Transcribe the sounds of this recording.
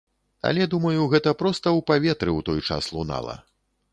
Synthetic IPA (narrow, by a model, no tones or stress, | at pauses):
ɐ̰lʲɛd̪umɐjuɣɛt̪ɐpɾɔst̪ɐwpavʲɛt̪ɾɨwt̪ɔjt͡ʂa̰slˠuna̰lˠɐ̰